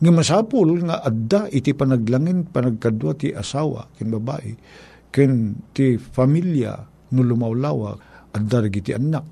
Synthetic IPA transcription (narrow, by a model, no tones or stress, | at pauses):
ŋamasaːpʊlŋaʔad̪aʔɪt̪ɪpanaɡ̚laŋɪnpanaɡ̚kad̪wat̪iʔasawa̰kɪnbaba̰ʔɪ̰ | kɪnt̪ifamilja̰ | nʊlʊmawlawa̰ʔad̪ːaɾɡit̪iʔanak̚